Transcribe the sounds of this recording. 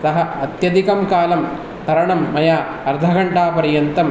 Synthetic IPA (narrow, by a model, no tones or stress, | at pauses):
sɐɦɐɐt̪jɐd̪ikɐmkaːlɐm | t̪ɐɾɐɳɐmːɐjaː | ɐɾd̪ʱɐɡɐɳʈaːpɐɾɐjɐnt̪ɐm